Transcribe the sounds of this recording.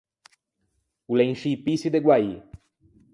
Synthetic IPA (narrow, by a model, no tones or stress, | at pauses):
uleŋʃipisid̪eɡwai